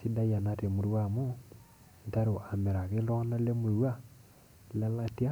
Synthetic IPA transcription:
si˦da˦ja˨na˨te˨mu˨ɾwa˦˨mo˦ | n˨ta˦ɾo˨a˨me˨ɾa˨ɣe˦lɔ˦na˦le˦mu˨ɾwa˦ | la˦la˦ti˦a˦

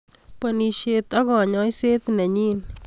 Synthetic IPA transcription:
pə˧ni˧ʃe˧t̪a˦ɣɔ˨ɲɔ˦jse˦t̪nɛ˨ɲi˦n

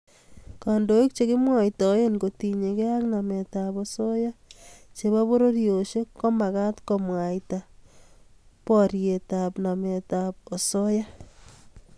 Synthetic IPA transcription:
ka˨ndo˨i˦k̚t͡ʃe˨kɪ˦mwa˨ita˨˦je˦nko˨ti˨ɲe˨ke˦a˦kna˨me˨ta˨po˨so˦ja˦t͡ʃe˨βa˦βo˦ɾo˦ɾjo˨ʃe˦kko˦ma˨ɣa˦tko˨mwa˨ita˨ | pɔ˦ɾje˨ta˨pna˨me˨ta˨p̚o˨so˦ja˦

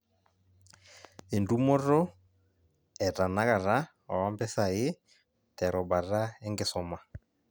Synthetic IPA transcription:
e˨ndu˦mɔ˦ɾɔ˦ | ɛ˨ɾa˨na˦ɣa˨ɾa˦ | a˨wa˦mbɛ˦sa˨ɪ˦ | tɛ˨ɾʔɔ˨ba˨ɾa˦ɛ˦ŋɡɪ˨sɔ˨ma˨

